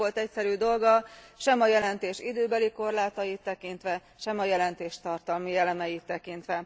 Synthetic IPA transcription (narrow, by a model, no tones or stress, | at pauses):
o̞lt̪ɛcsɛɾyd̪o̞lɡɒʃɛmɒjɛlɛnt̪eːʃḭd̪øːbɛliko̞rlaːt̪ɒjit̪ːɛkint̪ʋɛ | ʃɛmɒjɛlɛnt̪eːʃt̪ɒrt̪ɒlmiɛlɛmɛjit̪ːɛkint̪ʋɛ